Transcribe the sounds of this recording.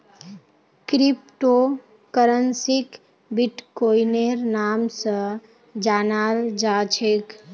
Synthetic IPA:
kɾipʈo | kəɾənsik | biʈkoineɾnamsə̃ | d͡ʒanald͡ʒat͡ʃʰek

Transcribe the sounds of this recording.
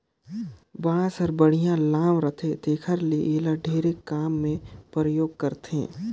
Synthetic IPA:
baːɽãsəɾbəɽ̤ijãlãːmɾət̪ʰet̪eːkʰəɾleʔeːlaɖʱeːɾekaːmːẽpɾəjoːɡ̚kəɾt̪ḛ̃ː

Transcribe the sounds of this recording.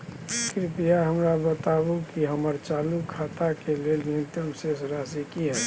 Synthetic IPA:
kɾɪpijaɦəmɾabət̪abukiɦəməɾt͡ʃaːlukʰaːt̪akelelĩnt̪əmsesɾaːsikiɦɛː

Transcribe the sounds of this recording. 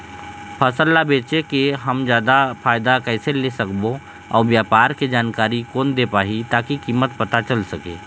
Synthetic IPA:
pʰəsəlːabeːt͡ʃekeɦəmd͡ʒjaːd̪apʰaːjd̪akɛːselesəkbo | ɔ̰ːɾʋjaːpaːɾked͡ʒaːnkaːɾikoːnd̪epaːɦit̪aːkikiːmːət̪pət̪at͡ʃəlsəkḛː

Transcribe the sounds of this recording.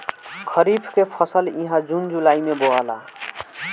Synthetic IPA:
kʰəɾibʰʱkepʰʌsəlĩɦãd͡ʒund͡ʒulaimeboala̰

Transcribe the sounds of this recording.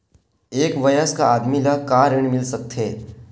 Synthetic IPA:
eːkʋɐjəskaaːd̪milakaːɾɪɽ̃mɪlsɐk̚t̪ɦeː

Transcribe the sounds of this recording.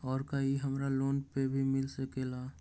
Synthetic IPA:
ɔːɾkaɦiɦəmɾaloːnpebʱimɪlsəkela

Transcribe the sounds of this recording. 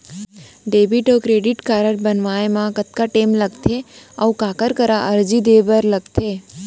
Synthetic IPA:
ɖebiʈokɾeɖiʈkaɾəʈbənʋaemãkət̪̚kaʈeːmləɡt̪ʰeəukakəɾkəɾaʔəɾd͡ʒid̪ebəɾləɡt̪ʰe

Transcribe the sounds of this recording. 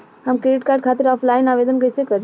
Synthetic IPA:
həmkɾeːɖɪʈkaːɾɖ̚kʰaːt̪ɪɾɔːpʰlaːɪnaːʋeːd̪ənkəjsekəɾ

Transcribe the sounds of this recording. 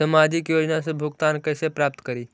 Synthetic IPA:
səmad͡ʒikjoːd͡ʒnasebʱuɡt̪ankəɪsepɾap̚t̪kəɾi

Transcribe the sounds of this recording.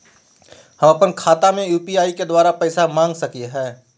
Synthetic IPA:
hɐmɐpənkʰaːt̪amẽjuːpiaːiked̪waːɾapɛɪsamãːŋɡsɐkieɦɛː

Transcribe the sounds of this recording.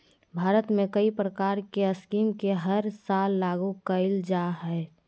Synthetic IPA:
bʱaːɾət̪mẽkəipɾəkaːɾkeəskiːmkeɦəɾsaːlːaːɡukəɪld͡ʒaɦɛɛ

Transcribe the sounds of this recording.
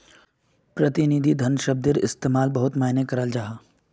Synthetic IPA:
pɾɐt̪ɪnid̪ʱid̪ʱɐnʃəb̚d̪ɪɾɪ̰st̪eːmaːlbɐɦʊt̪maːɦnekɐɾəld͡ʒaːɦaː

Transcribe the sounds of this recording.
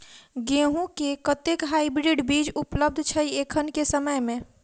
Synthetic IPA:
ɡẽɦũkekət̪ekɦaibɾiɖbid͡ʒupləb̚d̪ʱt͡ʃʰəiekʰənkesəməjmẽ

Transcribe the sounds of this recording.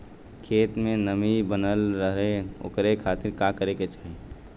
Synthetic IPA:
kʰeːt̪mẽnəmibənəlɾəɦeo̰kɾekʰaːt̪ɪɾkakəɾeket͡ʃaːɦe

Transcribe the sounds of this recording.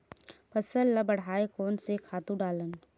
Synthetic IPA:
pəsəlːəbəɽ̤aːekɔːnsekʰaːt̪ũɖaːlən

